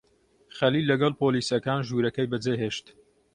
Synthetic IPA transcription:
xɐlilːɐɡɐlpoːliːsɐkaːnʒuːɾɐkɐjbɐd͡zeɦeːʃt̪

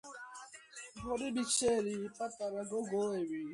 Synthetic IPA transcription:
bʊdɪbit͡ʃeɾipataɾaɡoɡoeɾi

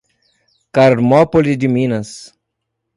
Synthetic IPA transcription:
kaɾmopolid̪iminas

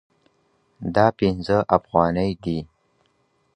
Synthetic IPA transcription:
d̪ɑpinzəʔafɣɑnəjd̪i

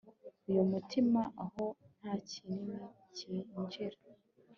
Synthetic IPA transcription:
ujumutimaʔaho̞n̥hacinini | ciɲɟiɾa

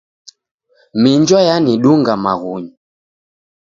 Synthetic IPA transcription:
miɲd͡ʒɔjaniɗuŋɡamaɣuɲi

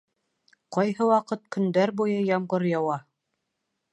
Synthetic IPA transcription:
qɑjɦɤwɑqɤt̪̚kɵ̆nd̪æɾbujɤjɑmɢɤɾjɑwɑ

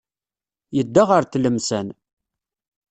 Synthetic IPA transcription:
jəd̪ːaʁəɾθləmsæn

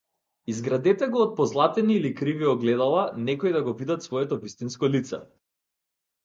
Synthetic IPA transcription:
izɡɾad̪ɛt̪ɛɡɔːt̪̚pɔzlˠat̪ɛniːlikɾiviɔɡlɛd̪alˠanɛkɔjd̪aɡɔvid̪at̪svɔɛt̪ɔvist̪inskɔlit̪sɛ̰

